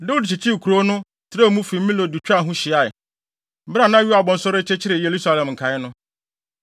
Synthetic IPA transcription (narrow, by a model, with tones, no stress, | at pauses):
nɛ̃˦ʊ˦di˨t͡ɕʰi˨t͡ɕʰi˦˨kʰu˨ɾo˦nʊ̃˦ | tʰɪ˨˦ɾa˦˨mũ˦fi˨˦mĩ˦lo˨di˨t͡ɕᶣa˦˨ɦũ˦ɕɪ˨a˨ɪ˨ | m̩˦bɾa˦˨nã˦ɥu˦a˨bɔ̃˨n̩˨sʊ˦ɾɪ˦t͡ɕʰɛ˦t͡ɕʰɪ˦ɾɪ˨je˨ɾu˦sa˦lɛ̃˨mŋ̩˨kʰa˨ɪ˦nʊ̃˦